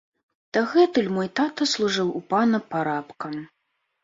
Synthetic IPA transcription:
d̪̥aɣɛt̪ɨlʲmɔjt̪at̪ɐslˠuʐɨwupanɐpaɾapkɐ

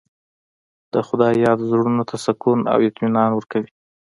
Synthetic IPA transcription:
d̪̥əxʊd̪ɑjɑd̪zɽunot̪ʰasakuna̰wɪt̪minɑnwəɾkawi

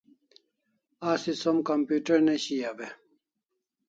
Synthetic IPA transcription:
aːsisomkampjuːʈeɾneɕijabe

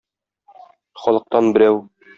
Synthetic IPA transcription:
χɒlˠɤ̆q̚t̪ɑnbɘ̆ɾæw

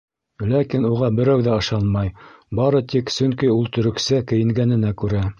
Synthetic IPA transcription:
lækinuʁɑbɘ̆ɾæwðæɤ̆ʃɑnmɑjbɑɾɤt̪iksɵŋkiulˠt̪ɵ̆ɾɵ̆ksækɘ̆jɘ̆ŋɡænɘ̆nækʉɾæ

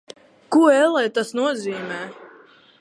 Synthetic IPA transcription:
kuɔɛlˠɛjt̪asnuɔziːmɛː

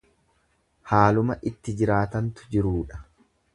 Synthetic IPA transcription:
haːlʊmɐʔɪt̪ːɪd͡ʒɪɾaːt̪ɐnt̪ʊ̥d͡ʒɪɾuːᶑɐ̥

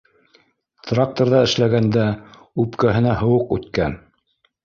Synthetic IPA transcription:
t̪rak̚t̪oɾðɑɘ̆ʃlæɡænd̪æ | ʉpkæɦɘ̆næɦɤ̆wɤqʉ̰t̪kæn

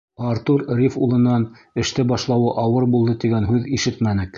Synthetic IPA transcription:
ɑɾt̪uɾɾʲifulˠɤ̆nːɑn | ɘ̆ʃt̪ɘbɑʃlˠɑwɤʔɑwɤɾbulˠd̪ɤt̪iɡænɦʉðiʃɘt̪mænɘk

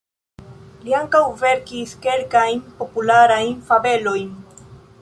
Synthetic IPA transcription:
liaŋkawve̞ɾkiske̞lkajnpo̞pulaɾajnfave̞lo̞jn

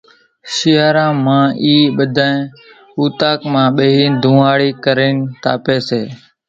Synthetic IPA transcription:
ʃɪːaːɾãːmãːʔiːɓəd̪ʱãːẽː | uːt̪aːkmãːɓeɦiːd̪ʱũːaːɽiːkəɾeːnt̪a̰ːpeːseː

